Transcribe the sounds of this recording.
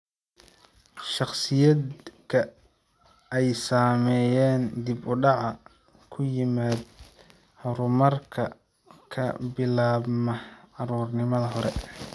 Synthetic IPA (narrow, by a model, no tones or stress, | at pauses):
ʃɑχsɪjɐd̪kʰɐ | ɛjsaːmɛːjɛːnd̪ibʊɖɑʕɑ | kʰʊjɪmaːd̪ | hɐɾʊmɐrkʰɐ | kʰɐ̰bɪlaːbmɐɑɾuːrnɪmɐðɐɦɔɾɛ̰